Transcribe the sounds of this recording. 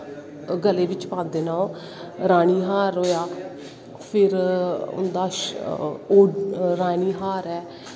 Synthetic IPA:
ɡəleːʋɪt͡ʃpãːnd̪eːnaː | ɾaːɽ̃iːɦaːɾoːjaː | pʰɪɾʊ̰nd̪aːʃ | oːɾaːɽ̃iːɦaːɾɛː

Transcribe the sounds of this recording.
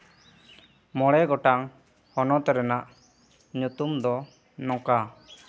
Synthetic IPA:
mɔɽɛɡɔʈaŋ | hɔnɔt̪ɛɾɛnaʔ | ɲut̪umd̪ɔ | nɔ̃ka

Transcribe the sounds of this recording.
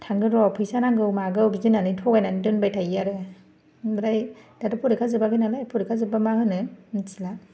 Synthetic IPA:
tʰaŋɡɯɾɔpʰɯjsanaŋɡɯwmaɡɯwbizinanɯtʰɔɡajnanidɯnbajtʰajaɾɯ | ɾajd̥adɯpʰuɾikʰazɯbaɡɯnalajpʰuɾikʰazɯbamahɯnɯnisila

